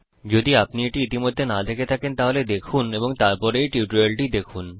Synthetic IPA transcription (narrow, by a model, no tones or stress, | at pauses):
d͡ʑod̪iapnieʈiit̪imod̪ʱːenad̪ekʰet̪ʰakent̪aɦoled̪ekʰuneboŋt̪aɾpɔɾejʈiuʈuɾelʈid̪ekʰun